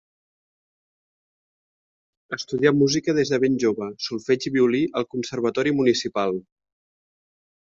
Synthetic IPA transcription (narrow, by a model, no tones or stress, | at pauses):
əst̪uðiamuzikəð̞ezðəβ̞enʲʒoβəsulˠfɛd͡ʒiβiuliʔəlˠkunsəɾβ̞ət̪ɔɾimunisipalˠ